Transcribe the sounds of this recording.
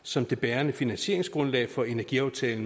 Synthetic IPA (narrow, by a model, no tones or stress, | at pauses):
sɒ̽md̥e̝b̥ɛːɐnəfinænɕe̝̰ɐ̰e̝ŋsɡ̥ʁɔ̽nlɛ̰ːɪfɒ̽e̝næɐɡ̥iɑ̈ʊt͡sʰɛːln̩